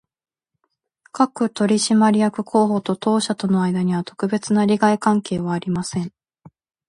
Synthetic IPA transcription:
kakɯ̟t̪o̞ɾʲiɕimaɾʲijakɯ̟kʰo̞ːɦo̞t̪o̞t̪o̞ːɕat̪o̞no̞aid̪aɲ̟iβ̞at̪o̞̥kɯ̟be̞t͡sɨnaɾʲiɡaikãŋke̞ːβ̞aːɾʲimasẽ̞ŋ

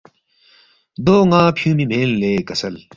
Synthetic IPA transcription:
d̪oːŋãːpʰjũːmimʱeːlleːkɐsɐl

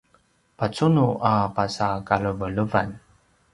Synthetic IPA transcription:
pat͡sunuʔapasakaɭəvəɭəvan

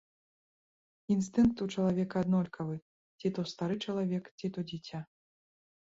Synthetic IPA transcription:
inst̪ɨŋk̚t̪ut͡ʂɐlˠavʲɛkɐːd̪nɔlʲkʰɐvɨ | t͡sʲit̪ɔst̪aɾɨt͡ʂɐlˠavʲɛkt͡sʲit̪ɔd͡zʲit͡sʲa

